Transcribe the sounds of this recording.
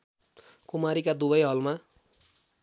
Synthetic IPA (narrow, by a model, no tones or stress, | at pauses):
kumaɾikad̪ubʌjɦʌlma